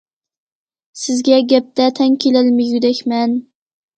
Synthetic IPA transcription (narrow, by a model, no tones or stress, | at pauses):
sɪzɡʲaɡʲap̚t̪at̪ʰaŋkʲʰelɪlmɪjʊd̪akʲman